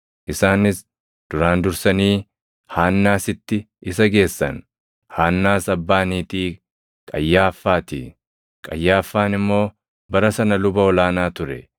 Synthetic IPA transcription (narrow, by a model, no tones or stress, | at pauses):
ʔɪsaːnɪs | d̪̥ʊɾaːnd̪ʊɾsɐniː | haːnːaːsɪt̪ːɪ | ɪs̬ɐɡe̞ːsːɐ̰n | haːnːaːsɐbːaːniːt̪iː | kʼɐjːaːfːaːt̪ḭː | kʼɐjːaːfːaːnɪmːo̞ː | bɐɾɐsɐnɐlʊbɐɔlaːnaːt̪ʊɾɛ